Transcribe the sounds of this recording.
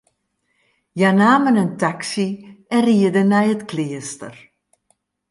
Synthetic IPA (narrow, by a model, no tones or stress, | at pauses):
janaːmənəntaksiɛnriədənɛjətkliəstər